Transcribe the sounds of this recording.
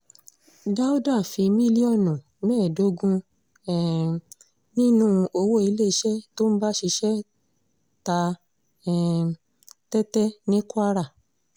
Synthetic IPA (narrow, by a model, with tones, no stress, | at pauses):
da˦u˦dã˦˨fi˧mĩ˦li˦ɔ˦˨nɔ̃˨ | nɛ̃ː˦˨do˨˦ɡũ˦˧ | ɛ˨ | nĩ˦nũ˦˧ʔo˧wo˦i˧le˦˧˦ʃɛ˦to˦ñ̩˦ba˦ʃi˧ʃɛ˦ | ta˧ | ɛ˨ | tɛ˦tɛ˦nĩ˦ku˦a˦ɾa˦˨